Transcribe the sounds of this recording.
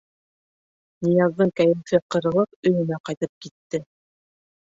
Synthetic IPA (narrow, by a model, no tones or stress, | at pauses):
nijɑzːɤɴkæjɘ̆mfɘqɤ̆ɾɤ̆lˠɤp̚ɵ̆jɵ̆næqɑjt̪ɤp̚kit̪ːɘ